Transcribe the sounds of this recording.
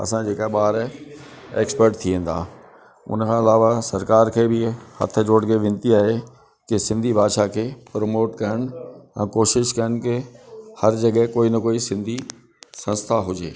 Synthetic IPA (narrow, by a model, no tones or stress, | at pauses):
ɐ̰sãd͡ʑeːkaɓaːɾ | ḛːkspəɾʈt̪ʰiẽːn̆d̪a̰ː | ʊ̰nəkʰãːɪlaːʋasɐɾkaːɾkʰeːbɪhɐ̰t̪ʰə̆d͡ʑoːɽɡeʋɪ̃nt̪iaːɦe | kɪsɪ̃nd̪ʱibʱaːd̪ʃakʰeːpɾomoːʈkɐɾəɽ̃ɛ̃ːkoːʃɪʃkɐəñkɪhɐɾd͡ʑɐɠəɦkoːinɐkoːisɪ̃nd̪ʱi | sɐ̃nst̪ʰaɦʊd͡ʑḛː